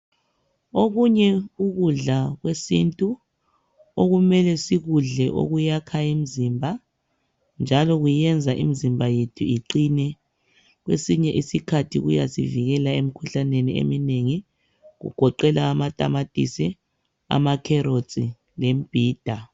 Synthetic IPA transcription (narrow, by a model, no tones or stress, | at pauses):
oɣuɲɛuɣuɮaɣwesḭntʼu | oɣumɛlɛsiɣuɮɛʔo̰ɣujakʰajimizimbʱa | nd͡ʒʱalɔɣuiɛnd͡zʱaʔḭmizimbʱajetʰuiǃinɛ | ɣwesiɲɛʔisikʰatʰḭɣṵja̰siviɣɛlaemikʰuɬaneniḛmineŋi | ɣṵɡ̥ʱɔǃɛlaːmatʼa̰matʼḭsɛ | a̰makʰɛɾot͡sʼḭ | lem̩b̥ʱiːd̥ʱa